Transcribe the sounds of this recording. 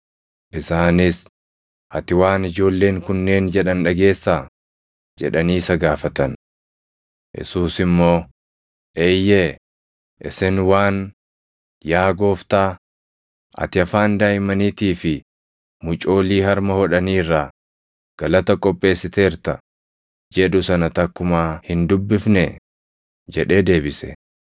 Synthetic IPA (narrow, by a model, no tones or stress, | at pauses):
ʔɪsaːnɪs | ʔɐt̪ɪwaːnɪd͡ʒo̞ːlːe̞ːŋkʊnːe̞ːnd͡ʒɛᶑɐnᶑɐɡe̞ːsːaː | d͡ʒɛ̰ᶑɐniːsɐɡaːfɐt̪ɐn | jɛ̰suːsɪmːo̞ː | ʔejːe | ʔɪsɪnwaːn | jaːɡo̞ːft̪aː | ʔɐ̰t̪ɪɐfaːnd̪aːjmɐniːt̪iːfɪ | mʊt͡ʃʼo̞ːliːhɐɾmɐhɔᶑɐniːrːaː | ɡ̥ɐlɐt̪ɐkʼɔpʼːe̞ːsːɪt̪e̞ːɾt̪ɐ | d͡ʒɛd̪ʊsɐnɐt̪ɐkːʊmaːhɪnd̪ʊbːɪfnɛ | d͡ʒɛᶑe̞ːd̪e̞ːbɪsɛ̰